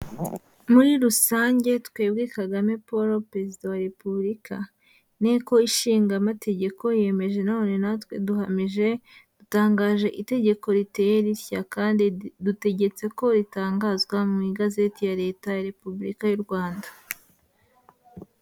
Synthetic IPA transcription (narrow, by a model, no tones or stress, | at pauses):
muɾiɾusaːɲɟe̞twe̞ːbɡiːkaɡame̞po̞ɾo̞pɾe̞zidawaɾe̞pubɾikʰa | neko̞iʃiːŋɡamate̞ɟe̞ko̞je̞me̞ʒe̞none̞natwe̞duhamiʒe̞d̥utaːŋɡaːʒe̞ʔite̞ɟe̞ko̞ɾite̞jeɾiɾçakaːndidute̞ɟe̞t͡se̞ko̞ɾitaːŋɡaːzɡwamumiɡaze̞tijaɾe̞ːtajaɾe̞pubɾḭkajuɾɡwaːndḁ